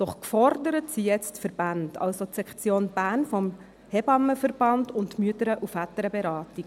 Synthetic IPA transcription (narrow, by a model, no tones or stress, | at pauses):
d̥ɔχkfɔɾdəɾətsijɛt͡stfəɾb̥andɑ̰lsotsɛkt͡sjoːnb̥æːnfɔm | hɛbɑmːəfərb̥ɑndʊntmyətəɾəʔufætəɾəbɛɾɑːti